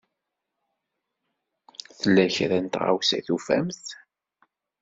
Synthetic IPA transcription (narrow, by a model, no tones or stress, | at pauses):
θəlːæçɾænt̪ʁa̰wsæθufæ̰mθ